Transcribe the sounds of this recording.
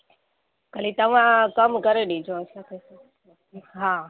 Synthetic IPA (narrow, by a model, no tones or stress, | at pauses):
kəlit̪ɐʋ̤ãkəmkəɾeɗĩd͡ʒʱõsat̪ʰes | ɦaː